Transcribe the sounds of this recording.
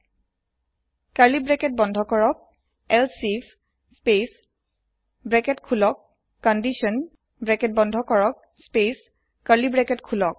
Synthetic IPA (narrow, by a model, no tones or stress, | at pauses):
kaɹlibɹɛkɛt̚bɔndʱɔkɔɹɔk̚ | ɛlsipʰ | spes | bɹɛkɛtkʰulɔk̚ː | ɔndisɔn | bɹɛkɛt̚bɔndʱɔkɔɹɔk̚ | spes | kalibɹɛkɛtkʰulɔk̚